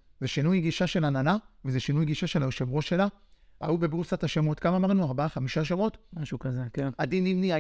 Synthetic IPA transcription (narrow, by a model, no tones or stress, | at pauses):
zeʃinujɡiʃaʃe̞lananavezeʃinujɡiʃaʃe̞laoʃevʁo̞ʃela | a̰ube̞bʁusathaʃemotkamaːmaʁnuaʁbaaχamiʃaʃavo̞tmaʃukazekenadinimnia